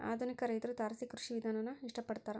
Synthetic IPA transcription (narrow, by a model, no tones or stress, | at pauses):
a̰ːd̪ʱunikɐɾɐjt̪ɐɾut̪aːɾɐsikɾuʂiʋid̪ʱaːnɐnːɐiʂʈɐpɐɽt̪aːɾe